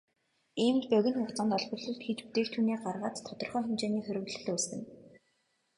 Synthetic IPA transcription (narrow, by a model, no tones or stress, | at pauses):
iːm̆pœɣʲɪ̆nxʊkt͡sɔ̆nt̪ɔɮpɞ̆rɮɞ̆ɮt̪xet͡ɕput̪eːkt̪ʰuːniːɢarʁaːt̪t̪ʰːɔt̪ɞ̆rχœːxemt͡ɕeːniːxɵɾʲɵ̆wɮɘ̆ɮʊːsɘ̆n